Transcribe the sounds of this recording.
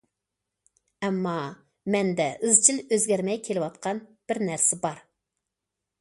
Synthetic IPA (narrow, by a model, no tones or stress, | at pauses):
ɛmːɑ | mɛnd̪ɛʔɨzt͡ʃʰiløzɡʲæɾmɛjkʲʰelɪwɑt̪qʰɑnb̥ɪɾnæɾsɪbɑɾ